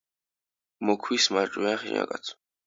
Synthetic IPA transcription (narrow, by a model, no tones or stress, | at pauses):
mɔkʰwismaɾt͡ʃʼujanχḭɲa̰kʼa̰t̪sʰ